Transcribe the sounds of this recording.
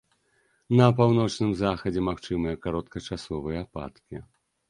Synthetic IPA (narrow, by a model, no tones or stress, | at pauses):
nɐpawnɔt͡ʂnɨmzaxɐd͡zʲɛmaxt͡ʂɨmɨjɐkaɾɔt̪kɐt͡ʂasɔvɨjɐpa̰t̪kʲi